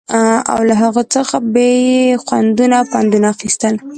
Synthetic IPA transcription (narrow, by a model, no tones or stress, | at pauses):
a̰wlaɦaɣət͡səxabejexwand̪unapand̪unaːxist̪əl